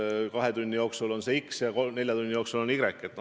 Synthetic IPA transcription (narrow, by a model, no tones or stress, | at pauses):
kɑɦe̞d̪unʲːijo̞ːksulo̞nse̞iksjɑkone̞lʲjɑd̪unʲːijo̞ːksulo̞niɡ̥ɾekːˑe̞t̪n